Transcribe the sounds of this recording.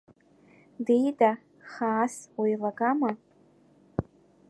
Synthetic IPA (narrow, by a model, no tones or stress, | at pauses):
dejdʼa | χaːswajlaɡama